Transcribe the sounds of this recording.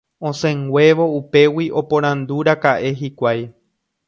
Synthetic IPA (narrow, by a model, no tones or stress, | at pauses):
õ̞sẽŋɡʷe̞ʋo̞upe̞wiʔo̞põɾ̃ãnd̪uɾakaʔe̞ɦikʷaj